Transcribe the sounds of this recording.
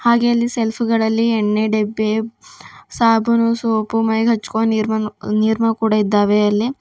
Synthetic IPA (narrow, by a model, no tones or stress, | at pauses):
haːɡeɐlːiselpʰuɡɐɭɐlːiɛɳːeɖebːe | saːbunusoːpumɐjɦɐt͡ʃːu̥koːniɾmɐniːɾmɐkuːɽaid̪ːaːʋeɐlːi